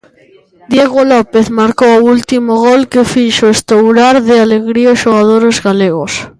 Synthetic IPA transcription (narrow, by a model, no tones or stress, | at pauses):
d̪jeɣolɔpeθmaɾkowoult̪imoɣɔlkefiʃoest̪owɾaɾðɪaleɣɾioʃoɣað̞oɾezɣaleɣos